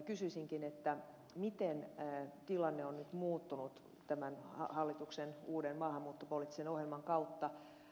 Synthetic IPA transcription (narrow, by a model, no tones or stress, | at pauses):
kysyisiŋkinet̪ːæ | mit̪ent̪ilɑnːeonnyt̪muːt̪ːunut̪ | t̪æmænhɑ̰hɑlːit̪uksenuːdenmɑːhɑmːuːt̪ːopolit̪ːisenohjelmɑŋkɑut̪ːɑ